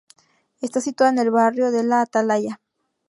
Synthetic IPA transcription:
e̞st̪asit̪waðene̞lβarjo̞ðe̞laːt̪alaʝa

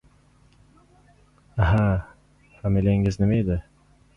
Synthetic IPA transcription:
aɦa | hamelʲeŋɪznɪmajd̪ɪ

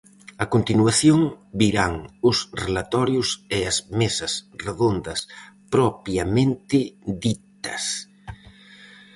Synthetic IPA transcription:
ɐkont̪inwaθjoŋbiɾaŋʊsrelat̪ɔɾjʊseɐzmesɐsreðond̪ɐspɾɔpjamẽnt̪ɪðit̪ɐs

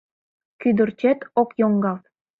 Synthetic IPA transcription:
kyd̪ə̆rt͡ɕet̪okjoŋɡɑlt̪

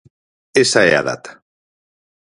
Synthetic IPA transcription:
esaḛa̰ða̰t̪ḁ

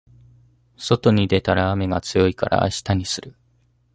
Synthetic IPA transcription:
so̞t̪o̞ɲ̟id̪e̞t̪aɾaːme̞ɡat͡sɨjo̞ikaɾʔa̰ːɕi̥t̪aɲ̟isɨɾɯ̟

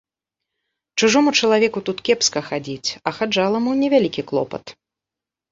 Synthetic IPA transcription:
t͡ʂuʐɔmut͡ʂɐlˠavʲɛkut̪ut̪kʲɛpskɐxad͡zʲit͡sʲɐxad͡ʐalˠɐmunʲɛvʲalʲikʲiklˠɔ̰pɐ̰t̪

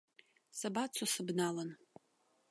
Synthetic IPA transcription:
sɐbaːt͡sʷʰosɨbnaːlɐn

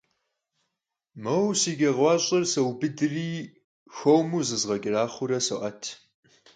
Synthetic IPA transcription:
mɐwsiːɡʲɐʁʷɑːɕʼɐrsɐwbɨdɨriː | xʷowmuzɨzʁɐɡʲʼɪraːχʷʊɾɐsɐʔɐtʰ

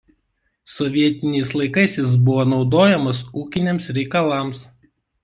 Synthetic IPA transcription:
sɔʋʲiɛt̪ʲɪnʲɛɪs̬lˠɐɪkɐɪsʲjɪs̬bʊʋoːnɒʊd̪oːjɛmɐsuːkʲɪnʲemsɾʲɛɪkɐlˠɑˑms

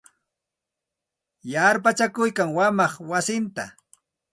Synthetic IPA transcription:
jaɾpat͡ʃakʊjkaŋwamɑχwasɪnt̪a

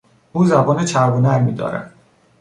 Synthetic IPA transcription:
uːzæbɒːnet͡ʃʰæɾbonæɾmiːd̪ɒ̰ːɾæ̰n

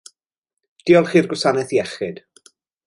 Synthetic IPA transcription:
d̥iːɔlˠχiːrɡʊsanɛθiɛχɪd̥

